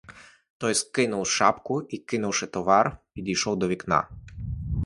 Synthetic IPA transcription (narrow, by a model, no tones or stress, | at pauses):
t̪ɔjskɘnɔwʂa̰pkuikɘnɔwʂɛt̪ɔvaɾpʲid̪ʲiʃɔwd̪ɔvʲikna̰